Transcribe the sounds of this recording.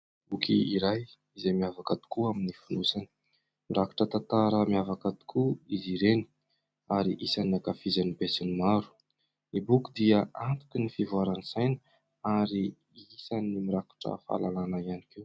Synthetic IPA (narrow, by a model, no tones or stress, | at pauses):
ukʰiiɾaj | izemiavakad̪i̥kuaminifunusanə̥ | miɾaku̥ʈ͡ʂət̪at̪aɾəmiavakad̪i̥kʰuiziɾeni̥ | aɾiʔisanakafizanibesinimaɾu̥ | nibukud̪iəant̪u̥kinifivuaɾanisajnə | aɾi | isanimiɾaku̥ʈ͡ʂə̰fa̰lalanaianikew